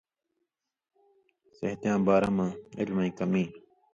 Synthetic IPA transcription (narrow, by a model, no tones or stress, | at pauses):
sə̰ɦt̪jãːbaːɾãːmãːɪ̰lmãːĩːkəmĩː